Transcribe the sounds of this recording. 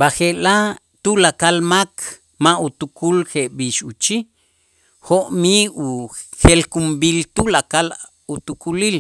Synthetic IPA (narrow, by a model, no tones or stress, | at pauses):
baxeʔla | t̪ulakalmakʰ | maut̪ukʰulxeʔɓiʃut͡ʃi | xoʔmiuxelkumbilt̪ulakal | ut̪ukulil